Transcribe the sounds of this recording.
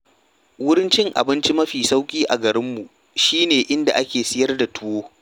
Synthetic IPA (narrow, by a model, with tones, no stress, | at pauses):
wʊ˦ɾɪ˦nt͡ʃɪ˦ŋʔa̰˨bɪ˦nt͡ʃi˦mɐ˦ɸiː˨sa˦wkʲʼiː˦ʔa̰˨ɡɐ˨ɾɪ˦mːu˨ | ʃiː˦neː˨ʔɪ˦nda˨ʔa˦kʲeː˨sɪ˦jɐ˦rda˨tʊ˦woː˦